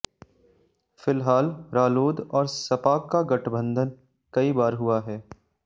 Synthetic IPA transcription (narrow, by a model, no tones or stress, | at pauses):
fɪlɦaːlɾaːloːd̪ɔːɾsɐpaːkːaɡɐʈʰbə̃nd̪ʱən | kɐibaːɾɦʊaɦɛː